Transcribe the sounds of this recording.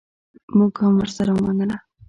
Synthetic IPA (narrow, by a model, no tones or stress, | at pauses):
muɡhamwəɾsaɾamaŋɡəna